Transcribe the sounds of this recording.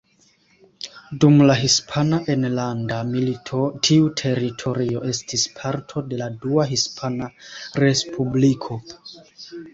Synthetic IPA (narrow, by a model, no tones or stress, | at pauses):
dumlaɦispʰanaʔe̞nlandamilitʰotʰiutʰe̞ɾitʰo̞ɾio̞ʔe̞stispʰaɾtʰo̞de̞laduaɦispʰanaɾe̞spʰublikʰo̞